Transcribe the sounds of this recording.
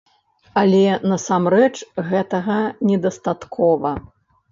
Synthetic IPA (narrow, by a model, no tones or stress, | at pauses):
alʲɛnɐsamɾɛt͡ʂɣɛt̪ɐɣɐnʲɛd̪ɐst̪at̪kʰɔvɐ